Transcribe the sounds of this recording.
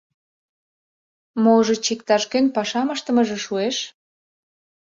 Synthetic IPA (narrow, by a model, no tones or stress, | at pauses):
moʒĕt͡ɕikt̪ɑʃkenpɑʃɑməʃt̪ə̆mə̆ʒĕʃueʃ